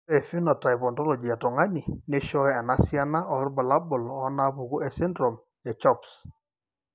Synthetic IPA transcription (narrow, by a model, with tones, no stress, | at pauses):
ɛ˨fi˦nɔ˨ta˨jpɔ˨ntɔ˦lɔ˨d͡ʒi˨a˨tɔ˨ŋa˦ni˨ne˦ʃɔ˦ɛa˨na˨˦sja˦na˦ʔɔ˨ɾbɔ˨la˦bʊ˨lɔ˨˦na˦pu˨ɡu˦ɛ˨sɪ˦ndɾɔ˨m | ɛ˨t͡ʃɔ˦ps